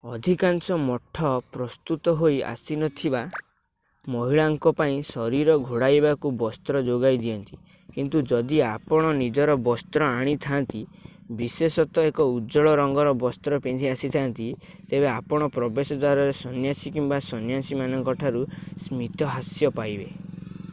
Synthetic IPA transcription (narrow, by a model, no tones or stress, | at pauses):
ɔd̪ʱikansɔmɔʈʰːɔpɾɔst̪ut̪ɔɦoja̰sinɔt̪ʰiba | mɔɦiɭaŋkɔpaĩsɔɾiɾɔɡʱoɽajbakubɔst̪ɾɔd͡ʒoɡajd̪iɔnt̪i̥ | kint̪ud͡ʒɔd̪iapɔɽ̃ɔnid͡ʒɔɾɔbɔst̪ɾɔaɽ̃it̪ʰant̪ibisesɔt̪ɔekɔud͡ʒɔɭɔɾɔŋɡɔɾɔbɔst̪ɾɔpend̪ʱiasit̪ʰant̪it̪ebeapɔɽ̃ɔpɾɔbesɔd̪waɾɔɾesɔnjasikimbasɔnjasimanɔŋkɔʈʰaɾusmit̪ɔɦasjɔpajbe